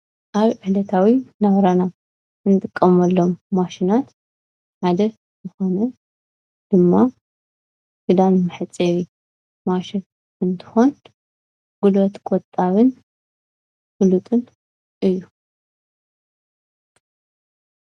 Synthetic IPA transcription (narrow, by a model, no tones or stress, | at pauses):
ʔaβʕɨħlɐt̪ʰawinɐβɾana | ɨnɨt̪ʼɨkʼːɐmɐlːomːaʃinat̪ | ʕad̪ɐ | zɨxonɐ | d̪̥ɨmːa | fɨd̪anmɨħɨt͡sʼewi | maʃin | ɨnt̪ʰɨ̥xon | ɡ̥ulot̪kʼot̪ʼːaβɨn | fulut̪ʼɨn | ʔɨjːu